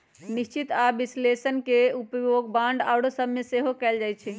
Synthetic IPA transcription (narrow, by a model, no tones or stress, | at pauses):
nist͡ʃit̪abislesənkeupjoɡbãɳɖawɽosəbmeseɦokɛld͡ʒajt͡ʃʰɛ